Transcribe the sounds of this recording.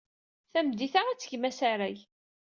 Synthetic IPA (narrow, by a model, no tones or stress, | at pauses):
θæmd̪iθaæt͡sːə̥çmæsaɾæj